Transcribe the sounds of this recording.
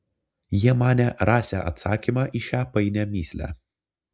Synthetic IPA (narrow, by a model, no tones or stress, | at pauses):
jiɛmɑːnʲɛɾɑːsʲæ̰ːʔɐ̰t̪sɑːkʲimɑːʔiʃʲæːpɐɪnʲɛmʲiːsʲlʲæ̰